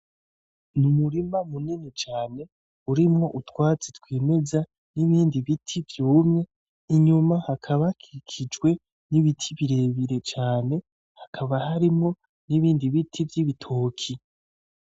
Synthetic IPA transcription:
numuɾimamuninit͡ʃaːne̞ | uɾimŋo̞ʔutwaːt͡sitwiːme̞za | niβiːndiβitʰivjuːmŋe̞ | iɲumahakʰaβakʰiikʰid͡ʒɡwe̞ | niβitʰiβiɾe̞βiɾe̞t͡ʃaːne̞ | hḁkʰaβaɦaɾimŋo̞ | niβiːndiβitʰivjiβitʰoːkʰi

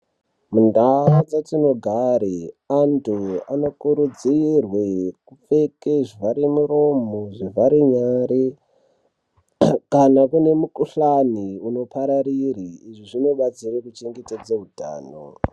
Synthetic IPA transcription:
mundaad͡zatino̞ɡʱaɾiantʰua̰no̞kuɾud͡zirwekufe̞keʐivaɾemuɾo̞moʐivaɾiɲaɾi | kanakune̞mukuɬaniuno̞pʰaɾaɾiriːʐiʐino̞ɓat͡sirekut͡ʃe̞ŋɡe̞ted͡zeɦudʱa̰ːno̰

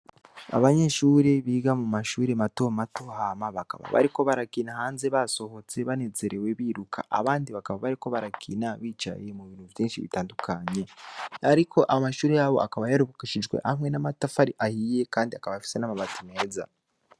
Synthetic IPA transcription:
a̰βaɲe̞ːʃuːɾe̞βiːɡamumaʃuːɾematomato̞hamaβaka̰βa̰βa̰ɾiko̞βaɾakiːnahaːnze̞βaso̞ho̞t͡se̞βane̞zeɾe̞we̞βiɾukʰa̰ʔa̰βaːndiβakaβaβaɾiko̞βaɾakʰḭːnaβiːt͡ʃa̰je̞muβiːn̥huvjiːnʃiβḭtaːndukʰaɲe̞aɾikʰo̞ʔamaʃuːɾe̞jaβo̞̰ʔakaβajaɾuβukiʃid͡ʒɡwe̞̰ʔahmŋe̞namatafaɾiʔahiːje̞kaːndiakaβajafi̥se̞namaβatime̞ːza̰

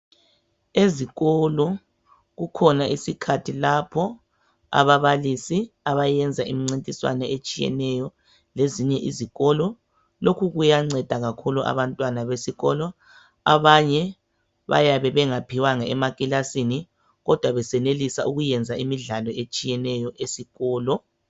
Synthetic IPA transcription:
eziɣɔlɔ | ɣukʰɔnaʔisikʰatʰilapʰɔ | a̰βaβalisiaβajɛnd͡zʱaimiŋ͡ǀintʼiswa̰nɛet͡ʃʼijɛ̰nɛjɔ | leziɲɛʔiziɣɔlɔ | lokʰuɣujaŋ͡ǀɛd̥ʱaɣakʰuluʔa̰βantʼwanaβesiɣɔlɔ | aβaɲɛ | βa̰jaβɛβɛŋapʰiwaŋaɛmakʼilasini | ɣɔd̥ʱwaβɛsɛnelisaʔuɣujɛnd͡zʱaimiɮalɔet͡ʃʼijɛnɛjɔʔesiɣɔːlɔ

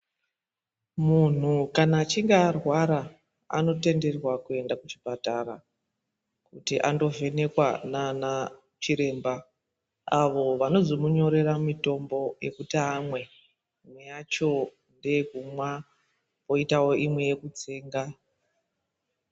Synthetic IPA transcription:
mun̤ukanaːt͡ʃiŋɡaːrwaɾa | a̰no̞te̞nde̞rwakue̞ndakut͡ʃipataɾa̰ | kutiʔando̞ve̞ne̞kwa̰nana | t͡ʃiɾe̞ːmba | aʋo̞ʋano̞zomuɲo̞ɾe̞ramito̞mbo̞je̞̰kutiːmwe̞ | mwe̞jat͡ʃo̞ | nde̞ekumwa | po̞itawo̞ʔimwe̞je̞kut͡seːŋɡa

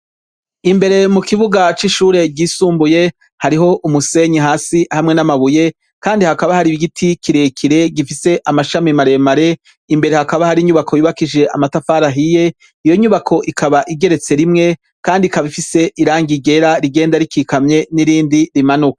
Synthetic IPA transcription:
imbe̞ɾe̞mukiβuɡat͡ʃiʃuːɾe̞ɟiːsuːmbuje̞ | haɾiɦo̞ʔumuse̞ɲiɦaːsihamŋe̞namaβuje̞ | kaːndihakaβahaɾiiɡitʰikʰiɾekʰiɾe̞ɡifise̞ʔamaʃamimaɾe̞maɾe̞ | imbe̞ɾe̞hakaβahaɾiɲuβakʰojiβakid͡ʒe̞ʔa̰matafaːɾaɦije̞ | ijo̞ɲuβakʰo̞ʔikʰaβaʔiɡe̞ɾe̞t͡se̞ɾimŋe̞ | kaːndikaβifise̞ʔiɾaːŋɡiɡe̞ɾaɾiɡe̞ːndaɾikiːkamɲe̞niɾiːndiɾimanuka

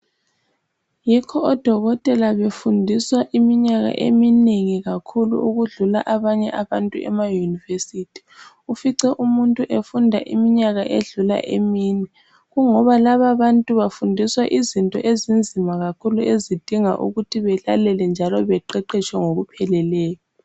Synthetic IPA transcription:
jikʰɔːd̥ʱɔɣɔtʼɛlaβefundʱiswaʔimiɲaɣa̰ʔḛmineŋiɣakʰulṵʔuɣuɮulaʔaβaɲɛ̰ʔaβantʼuɛ̰majunivesitʰi̥ | ufiǀɛʔumuntʼuʔefundʱa̰ʔimiɲaɣaʔeɮula̰ʔemiːnɛ | ɣuŋɔβalaβaβantʼuβafundʱiswaʔizintʼɔ̰ʔezind͡zʱimaɣakʰuluʔezid̥ʱiŋa̰ʔṵɣutʰiβɛlalɛlɛnd͡ʒʱalɔβɛǃɛǃɛt͡ʃʰʼwɛŋoɣupʰɛlɛlɛːjɔ

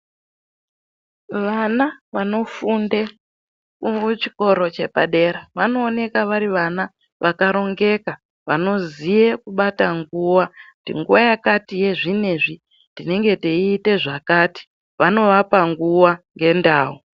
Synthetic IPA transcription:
ʋanaʋano̞funde | kut͡ʃi̥ko̞ɾo̞t͡ʃe̞pa̰ɗe̞ɾaʋano̞ːne̞kaʋaɾiʋana | ʋakaɾo̞ŋɡe̞ka | ʋano̞zijekuɓataŋɡuwakutḭŋɡuwajakatije̞ʐine̞ʐi | ndine̞ŋɡe̞teiːte̞ʐakati̥ | ʋano̞ʋapaŋɡuwaŋɡe̞ndaːu

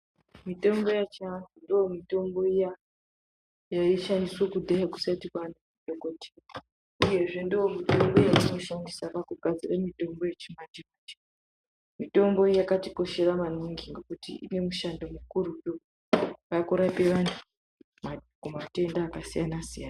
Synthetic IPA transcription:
mito̞mbo̞jat͡ʃantundiwomito̞mbo̞ija | jaiʃandiswokudʱajaku̥satikwanuudokoti̥ | uje̞ʐe̞ndiwo̞mito̞mbo̞jaino̞ʃandisapakuɡʱad͡ziramito̞mbo̞jet͡ʃimand͡ʒikat͡ʃi̥ | mito̞mbo̞ijakatiko̞ʃe̞raman̤uŋɡiŋɡekutḭʔḭne̞muʃandomukuɾupo | kakuɾapeʋantʰu̥ | makumate̞ndaːkasijanasijaːna

